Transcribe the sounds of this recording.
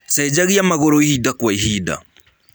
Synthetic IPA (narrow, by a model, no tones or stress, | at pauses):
sɛd͡ʒaɣiamaɣɔɾoihidakwaiɦida̰